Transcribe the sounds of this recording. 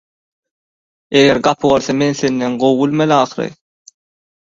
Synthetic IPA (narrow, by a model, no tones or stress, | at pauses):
eɣeɾɡɑpʰʁoɾθɑmenθenːenɢowːulmelɑːχɯɾɯ̰